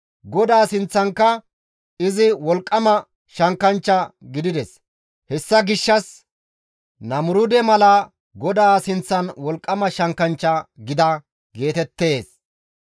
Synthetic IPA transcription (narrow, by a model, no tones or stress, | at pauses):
ɡɔd̪aːsɪnt͡sːɐŋkːɐ | ɪzɪwɔlkʼːɐmɐ | ʃɐŋkːɐnt͡ʃːɐɡɪd̪ɪd̪ɛs | hɛsːɐɡɪʃːɐs | nɐmʊɾʊd̪ɛmɐlɐ | ɡɔd̪aːsɪnt͡sːɐnwɔlkʼːɐmɐʃɐŋkɐnt͡ʃːɐɡɪd̪ɐ | ɡe̞ːt̪ɛt̪ːe̞ːs